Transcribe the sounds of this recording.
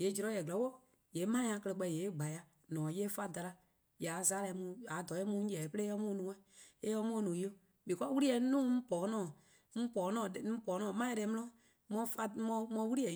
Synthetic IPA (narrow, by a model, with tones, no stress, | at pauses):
je˨˦d͡ʒi˧ɾɔ˧˦jɛ˨ɡɛ˨˦wo˦˨ | je˨˦mã˦ã˧˦kə˧lɛ˧˨k͡pɛ˧˨je˨˦ɡ͡ba˨ja˨ | nɔ̃ː˨je˦fa˦da˧la˧ | ja˨˦zaː˦lɛ˧˨˦mũ˧˨a˨˦dɔ˨˦ɛ˦mũ˧˦ɛ˨pə˦ɾe˦jɔ˧˦mũː˦nũ˨˦ɛ̃˦e˦ɔ˦mũː˦nũː˨˦o˦ | bi˨kɔ˦wu˦ɾi˦ɛ˨˦nũː˦m̩˦pɔː˨˦nɔ̃ː˦˨ | m̩˦pɔː˨˦nɔ̃ː˦˨˦pɔː˨˦nɔ̃ː˨mã˦dɛ˧˦mɔ̃˦ɔ̃˦ | mɔ̃˧˦fa˧mɔ̃˧mɔ̃˧˦wu˦ɾi˦ɛ˨